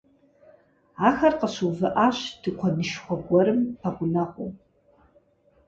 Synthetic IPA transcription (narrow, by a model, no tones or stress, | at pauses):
axarqaʃʷuvɨʔaʃʷd̥ɨqʷʰanɨʃχʷaɡʷɔɾɨmpʰaqʷʊnaqʷʼo̰